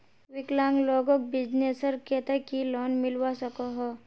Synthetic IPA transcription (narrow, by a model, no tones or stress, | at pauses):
ʋɪklãːŋɡlɔːɡõk̚bɪd͡ʒneːsəɾkɛt̪ekilɔːnmɪlwasɐkoɦɔ